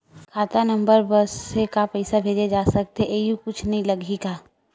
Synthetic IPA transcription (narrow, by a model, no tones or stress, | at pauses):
kʰaːt̪anɐ̃mbəɾbɐsekapɛɪsabʱeːd͡ʒed͡ʒaːsɐk̚t̪eʔeːukʊt͡ʃʰnɐɦĩlɐɡiɡaː